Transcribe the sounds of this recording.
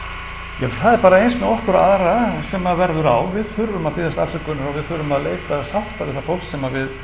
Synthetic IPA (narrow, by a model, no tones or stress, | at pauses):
jɛθaðɛɾpaːɾaejnsmɛðɔhkʏɾaaðɾasɛmavɛɾðʏɾa̰wvɪðθʏɾʏmaðpɪðast̪afsɛkʏnʏɾɔvɪðθʏɾʏmaðleːjt̪asawht̪avɪðθafowl̥sɛmavɪð